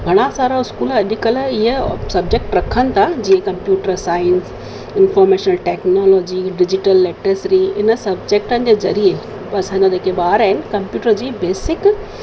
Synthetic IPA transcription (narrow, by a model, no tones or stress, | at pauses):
ɡʱɐɽ̃asaːɾaɪskuːlɐɗikəlɪɦəsɐbd͡ʑek̚ʈɾɐkʰənɪ̆t̪ʰad͡ʑiːẽkɐ̃mpjuːʈəɾsaːɪəns | ɪnfɔːɾmeːʃənəlʈeːknoːlɔːd͡ʑiɖɪd͡ʑɪʈəlːeːʈɾəsɾiɪnəsɐbd͡ʑek̚ʈənɪ̆d͡ʑezɐɾie | ɐsãːɲd͡ʑaɗekʰeɓaːɾaːɦɪnɪkɐ̃mpjuːʈəɾd͡ʑiːbeːsɪk